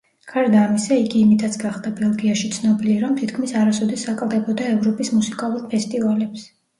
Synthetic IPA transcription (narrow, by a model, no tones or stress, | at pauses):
ɡ̥ʰaɾd̪aːmisaiɡiːmit̪ʰat̪sʰɡaχd̪abɛlˠɡiaʃit̪sʰnɔbiliɾamt̪ʰit̪ʰkʰmisaɾasɔd̪ɛsːakʼlˠd̪ɛbɔd̪aɛvɾɔpʼismusikʼalˠuɾpʰɛst̪ʼivalɛps